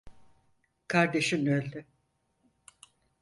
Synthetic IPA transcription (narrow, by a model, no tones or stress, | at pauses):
kʰaɾd̪e̞ʃinølʲːy